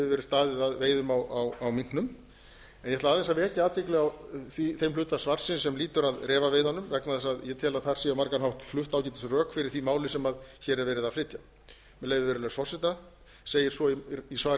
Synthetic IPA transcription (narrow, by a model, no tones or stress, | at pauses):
vɪvɛːɾɪ̥st̪aːðɪðaðveːjðʏmawawawmin̥knʏm | ɛnjɛt̪laðθɛs̬ːavɛːc̪ɪaːt̪ʰvɪklɛɣawθiθejmflʏːt̪asvar̥sɪnsɛmliːt̪ʏɾaðrɛːvavɪðanːʏmvɛknaθɛsaðjɛt̪ʰɛːlaðθaɾ̥siːamaɾkanɦawt̪flʏht̪aːwcɪt̪θɛsrœːkfɪɾɪɾ̥θimaːwlɪsɛmaðçɛɾɛɾvɛːɾɪðaðflɪt̪ja | mɛleːjvɪvɛːɾʏlɛsfɔr̥sɪt̪a | seːjɪɾ̥sɔiisvaːɾ